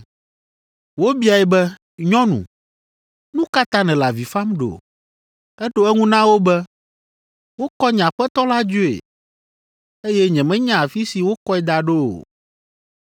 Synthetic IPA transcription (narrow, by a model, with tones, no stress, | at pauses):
wo˦bi˦a˨ɛ˨bɛ˦ | ɲɔ̃˦nṵ̃˨ | nũ˦ka˦t̪ã˦nɛ̃˨la˨vi˨fa˦mɖo̰˨ | ɛ˦ɖo˦ɛ˦ŋũ˦nã˦wo˦bɛ˦ | wo˦kɔ˦ɲ˨ã˨ɸɛ˦t̪ɔ˦la˦d͡ʒu˦ḛ˨ | e˦jɛ˦ɲɛ̃˨mɛ̃˦ɲã˦˨a˨fi˦si˨wo˦kɔ˦ɛ˦d̪a˨ɖo˦o̰˨